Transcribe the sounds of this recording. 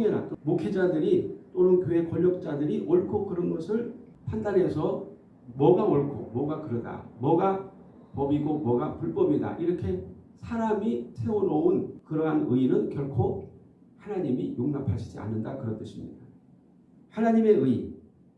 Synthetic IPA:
oŋʌna̰t͈omokʰed͡ʑadɯɾit͈onɯnkjoe̞kʌʎːʌk̚t͡ɕ͈adɯɾiʔʌɭkʰokɯɾʌnɡʌsʰɯɭ | pʰandanɦe̞sʰʌ | mʌɡaʌɭkʰo̰mwʌɡakɯɾʌda̰mwʌɡa | pʌbiɡomwʌɡapuɭp͈ʌbida̰ʔiɾʌkʰe̞sʰaɾamitʰe̞oɾʌunkɯɾʌɦanɯinɯnkjʌɭkʰo | hanaɲimijoŋnapʰaɕʰi̥d͡ʑia̰nːɯndakɯɾʌnt͈ɯɕʰimɲḭda | hanaɲime̞ɯi

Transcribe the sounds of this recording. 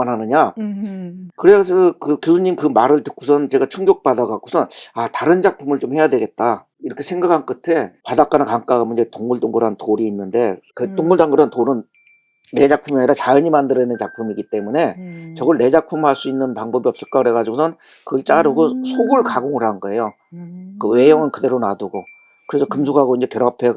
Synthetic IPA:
anɦanɯɲa | kɯɾe̞s̬ʰʌʌkɯkjusʰuɲimkɯmaɾɯɭtɯkʰosʰʌnt͡ɕe̞ɡat͡ɕʰuŋɡjok̚p͈adaɡakosʰʌnataɾɯnd͡ʑak̚pʰumɯɭt͡ɕomhe̞jadwe̞ɡe̞t̚t͈a | iɾʌkʰe̞sʰe̞ŋɡakʰank͈ɯtʰe̞padak͈anɯkaŋk͈aɡamɯnd͡ʑetoŋmuɭtoŋɡɯɾɦantoɾiːnːɯnde̞kɯtoŋmuɭdaŋɡɯɾantoɾɯnː | e̞d͡ʑak̚pʰumaɲiɾat͡ɕajʌɲimandɯɾenɯnt͡ɕak̚pʰumiɡit͈e̞mune̞t͡ɕʌɡɯɭne̞d͡ʑak̚pʰumaɭs͈uinːɯnpaŋbʌbiʌp̚s͈ɯɭk͈akɯɾe̞ɡad͡ʑiɡosʰʌn | kɯɡɯɭt͡ɕ͈aɾɯɡosʰoɡuɭkaɡoŋɯɾanɯnɡʌe̞jo | kɯwe̞jʌŋɯnkɯde̞ɾonaduɡo | kɯɾe̞sʰʌkɯmsʰuɡɦaɡoind͡ʑe̞kjʌɾapʰe

